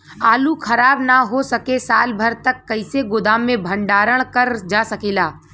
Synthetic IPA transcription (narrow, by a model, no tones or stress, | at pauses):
aːlukʰɐɾaːbnaɦosɐkesaːlbʱɐɾt̪ɐkːɐɪseɡʊd̪aːmːẽbʱə̃ɳɖaːɾəɽ̃kəɾd͡ʒaːsɐkeːlaː